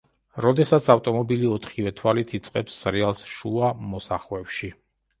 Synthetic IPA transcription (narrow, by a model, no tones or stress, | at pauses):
ɾɔd̪ɛsat̪sʰaft̪ʼɔmɔbiliɔt̪ʰχivɛt̪ʰwalit̪ʰit̪sʼqʼɛpsɾɛalˠsʃuamɔsaχwɛpʃi